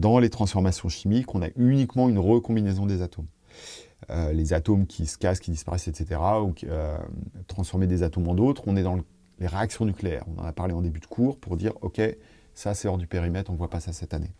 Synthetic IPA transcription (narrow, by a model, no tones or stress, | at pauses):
d̪ɑ̃let̪χɑ̃sfɔʁmasjɔ̃ʃimikɔ̃na̰ʔynikmɑ̃ynʁəkɔ̃binezɔ̃d̪ezat̪om | ølezat̪omkʲʰisə̥kaskʲid̪ispa̰ʁɛsɛt̪set̪eʁaukʲø̰t̪χɑ̃sfɔʁmed̪ezat̪omɑ̃d̪ot̪χɔ̃nɛd̪ɑ̃ | leʁeaksjɔ̃nykleɛ̰ːʁɔ̃nɑ̰̃napaʁleɑ̃d̪ebyd̪əkʰuːʁpuʁd̪iːʁɔkʲe | sasɛlɔʁd̪ypeʁimɛt̪χɔ̃vwapasasɛt̪ane